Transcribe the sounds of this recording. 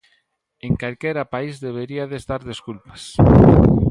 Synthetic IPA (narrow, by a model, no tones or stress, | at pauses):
eŋkalkeɾapaizðeβ̞eɾiaðest̪aɾðeskulpḁs